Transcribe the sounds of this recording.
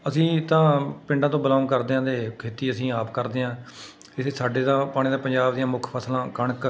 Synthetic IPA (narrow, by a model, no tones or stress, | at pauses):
əsĩːt̪ãːpɪ̃ɳɖãːt̪̬õːbəlaːnkəɾd̪eːãːd̪eːkʰeːt̪iːəsĩːaːpkəɾd̪eːãː | ɪseːsaːɖeːd̪ãːpaːɽ̃iːd̪ãːpəɲd͡ʒaːbd̪ijãːmʊkʰpʰəslãːkəɳk